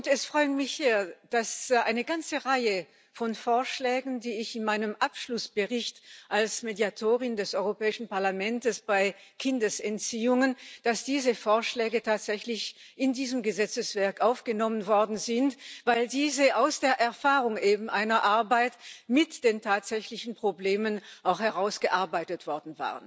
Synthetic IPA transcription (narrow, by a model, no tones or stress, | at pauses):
ʊntɛsfʁ̥ɔʏənmɪçz̥iːɐd̥asʔaɪnəɡant͡səʁaɪə | fɔnfoːɐʃlɛːɡn̩diːɪçɪnmaɪnəmʔapʃlʊsb̥əʁɪçtʔalsmedjatʰoːʁɪndɛsʔɔʏʁopɛːɪʃn̩paɐlamɛntəsb̥aɪkʰɪndəsɛnt͡siːʊŋənd̥asd̥iːzəfoːɐʃlɛːɡətʰaːtz̥ɛçlɪç | ʔɪndiːzəmɡəzɛt͡səsv̥ɛɐkʔaʊfɡ̥ənɔmənvɔɐdn̩zɪntv̥aɪldiːzəʔaʊsd̥eːɐʔɛɐfaːʁʊŋʔeːbm̩ʔaɪnɐɐʔaɐbaɪtmɪtd̥eːntʰaːtz̥ɛçlɪçn̩pʁ̥obleːmənʔaʊxhɛʁaʊsɡ̥əʔaɐbaɪtətv̥ɔɐdn̩va̰ːʁən